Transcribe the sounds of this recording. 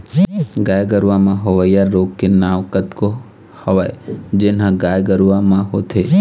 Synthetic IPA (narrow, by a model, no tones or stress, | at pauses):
ɡaːjɡəɾʋamãɦoʋəjaɾːoːɡkenaːʋkət̪ko | həʋaːed͡ʒeːnɦãɡaːjɡəɾʋamãɦoːt̪ʰeː